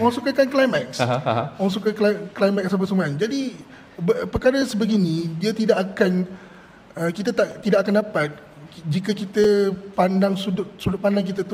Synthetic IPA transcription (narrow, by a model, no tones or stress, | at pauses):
ɔaŋsukakanklajmɛk̚sɔaŋs̬ukaklaklajmɛt̪̚sabpəsəmaand͡ʒadi | bpəkaɾasəbəɡinĩdiat̪idaʔakan | əkit̪at̪aʔt̪idaʔakandapat̪̚ | d͡ʒikəkit̪əpandaŋsudʊt̚sudʊt̚pandaŋk̬it̪at̪u